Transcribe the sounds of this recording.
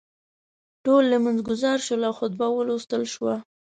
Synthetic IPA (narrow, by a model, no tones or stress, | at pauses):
ʈolːəmanzɡʊzɑɾʃəlawxʊd̪̚bawəlost̪əlʃwa